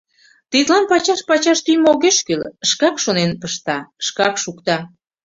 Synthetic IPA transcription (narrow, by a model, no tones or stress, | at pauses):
t̪it̪lɑnpɑt͡ɕɑʃpɑt͡ɕɑʃt̪yjmoɣeʃkyləʃkɑkʃonenpəʃt̪ɑəʃkɑkʃukt̪ɑ